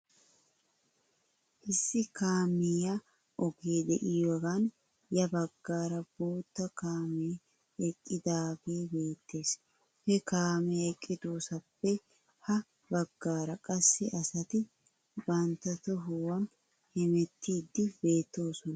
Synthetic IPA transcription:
ʔɪsːɪkaːmːɪja | ʔɔɡeːd̪ɛʔɪjoɡan | jɐbɐɡːaːɾɐb̥oːt̪ːɐkaːmeː | ɛkʼːɪd̪aːbe̞ːbe̞ːt̪ːe̞ːs | hɛkaːmɛɛkʼːɪd̪oːsɐpːɛ | hɐ | bɐɡːaːɾɐkʼɐsːɪʔɐsɐt̪ɪ | bɐnt̪ɐt̪ɔɦʊwɐn | hɛmɛt̪ːiːd̪ːɪbe̞ːt̪ːo̞ːsɔnɐ

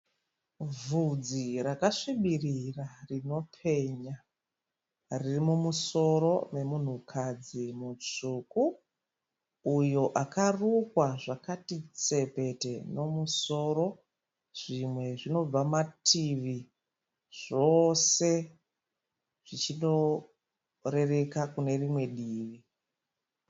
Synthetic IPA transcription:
vud͡zirakaʂiɓirirarino̞pʰe̞ɲa | ririmumuso̞ɾo̞me̞mun̤ukʰad͡zimut͡suku | jo̞ʔakarukwaʐakatit͡se̞pe̞te̞no̞muso̞ɾo̞ | ʐ̥imwe̞ʐino̞b͡vamatʰiʋi | ʐ̥o̞se̞ | ʐ̥it͡ʃino̞ | re̞re̞kakune̞rimwe̞ɗiːʋi

